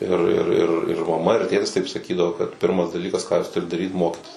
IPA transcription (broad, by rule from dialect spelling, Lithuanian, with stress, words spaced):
ɪr ɪr ɪr ɪr mɐˈmɐ ɪr ˈtʲeːtʲɪs tɐɪp sɐˈkʲiːdɐʋoː kɐt ˈpʲɪrmɐs dɐˈlʲiːkɐs ˈkɑː ˈɐʃ tʊˈrʲʊ dɐˈrʲiːt ˈmoːkʲɪtʲɪs